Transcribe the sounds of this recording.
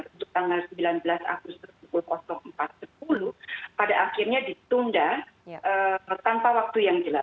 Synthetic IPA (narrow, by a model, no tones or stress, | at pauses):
unt̪ʊk̚t̪aŋɡalsəmbilanbəlasa̰ɡust̪ʊspukulkɔsɔŋəmpat̪̚səp̚uluhpadaʔaxirɲadit̪undaət̪ampawak̚t̪ujaŋd͡ʒəla